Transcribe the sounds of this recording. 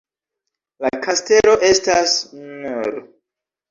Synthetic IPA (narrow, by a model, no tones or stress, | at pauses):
lakʰaste̞lo̞ʔe̞stasnnuɾ